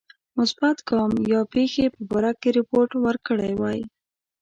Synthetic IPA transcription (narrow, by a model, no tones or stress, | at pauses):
mʊsbat̪ɡɑmjɑpexepəbaɾakkeɾɪpoɾʈwəɾkəɽajwɑj